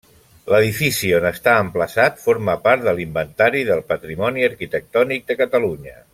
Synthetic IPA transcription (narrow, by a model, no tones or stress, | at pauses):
ləð̞ifisionəst̪aəmpləsat̪foɾməpaɾt̪ðəlimbənt̪aɾiðəlˠpət̪ɾimɔniəɾkit̪ək̚t̪ɔnik̚d̪əkət̪əluɲə